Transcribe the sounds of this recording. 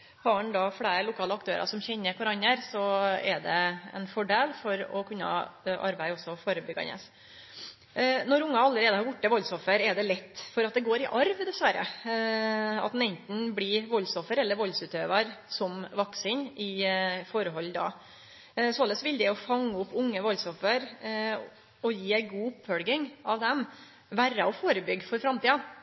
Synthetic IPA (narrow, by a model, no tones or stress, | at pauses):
hɑɑnd̪ɑfɽeːɾəlʊkʰɑːləɑk̚t̪ʰøːɾʔɑ̰sɔmçɛɲːəkʰʊɾɑnːəɾsɔɛɖ̪ɛɛ̰nfɔɖeːlfɔɾɔkʰʉnːɑ̰ʔɑɾbæɪɔsːɔfoːɾəbʏɡɑ̰nɛ̰s | nɔɾʊŋːɑɑlːəɾeːd̪əhɑɾbʊʈːəʋɔlsɔfəɾɛɖ̪ɛlɛt̪ːfɔɾɑt̪̚d̪ɛɡoːɾɪʔɑɾʋd̪ɛsʋæɾːə̰ | ɑ̰t̪̚n̩ɛnt̪n̩blɪʋɔlːsɔfəɾɛlːəɾʋɔlsʉːt̪øːʋɑɾsɔmʋɑksɪnʔɪfɔɾəɦɔlːd̪ɑ̰ | soːləsʋɪld̪ɛɔfɑŋːʊpːʊŋːəʋɔlsɔfəɾ | ɔjiːæɪɡuːʊpːfɔlɡɪŋɑʋd̪ɛm | ʋæɾɑɔfoːɾəbʏɡːfɔɾfɾɑmt̪iːɑ